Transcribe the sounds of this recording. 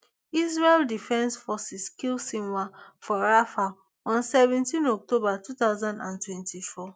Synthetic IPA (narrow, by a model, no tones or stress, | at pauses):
is̬ɹeldifɛ̃nsfɔsiskilsĩnwafɔɹafa | ɔ̃nsɛvɛ̃ntĩnɔk̚tobatutaʊzãndãntwɛ̃ntifɔ